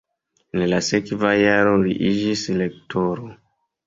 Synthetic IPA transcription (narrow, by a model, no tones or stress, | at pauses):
nlasekvajaɾoɾḭʔid͡ʒislek̚toɾo